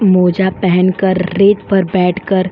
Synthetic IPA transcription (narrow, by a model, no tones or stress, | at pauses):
moːd͡ʒapɛɦɛnkɐɾːeːt̪pɐɾbɛːʈʰkəɾ